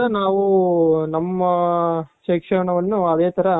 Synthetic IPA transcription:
ɐnaːʋɯnɐmːɐʃeːkʂɐɳɐʋɐnːuɐðeːt̪ɐɾɐ

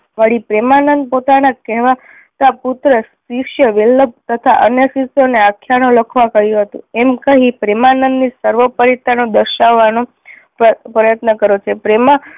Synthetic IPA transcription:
ʋəɽipɾɛmanənd̪̚pot̪anakɛɦʋa | t̪aput̪ɾəsikʃjəʋilːəb̚t̪ət̪ʰaʔənjəsisoneakʰjanõləkʰʋakəɦjũɦət̪ṵ̃ɛmkəɦĩpɾɛmanənd̪nisəɾʋəpəɾit̪ːanõd̪əɾʃaʋːanõ | pɾəjət̪nəkəɾot͡ʃʰepɾema

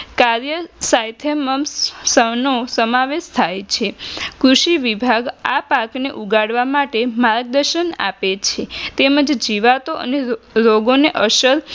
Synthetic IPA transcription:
kaɾjəsajt̪ʰəməmsənosəmaʋeʃt̪ʰajt͡ʃʰekɾuʃiʋibʱaɡapakneʔuɡaɽʋamaʈemaɾɡ̚d̪əɾʃəna̰pet͡ʃʰet̪eməd͡ʒd͡ʒiʋat̪oʔə̰neɾoɡoneʔəʃəɾ

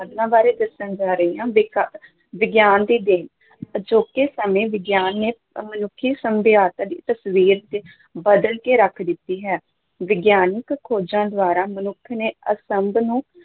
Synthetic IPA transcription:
əd̪nãːbaːɾeːd̪əsənd͡ʒaːɾəiːãːʋɪk | ʋɪɡjaːnd̪iːd̪ɪn | əd͡ʒoːkeːsəmẽːʋɪɡjaːnːeː | mənʊkʰːiːsəmbɪjaːt̪ãːd̪ḭːt̪əsʋiːɾt̪eː | bəd̪əlkeːɾəkʰd̪ɪt̪ːiːɦɛː | ʋɪɡjaːnɪkkʰːoːd͡ʒãːd̪ʊaːɾaːmənʊkʰneːəsəmbnũː

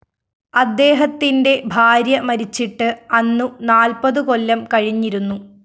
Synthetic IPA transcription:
ɐd̪ːe̞ːɦɐt̪ːinde̞bʱaːɾjɐmɐɾit͡ɕːiʈːɨɐnːunaːlpɐðɨko̞lːɐmkɐɻiɲːiɾunːu

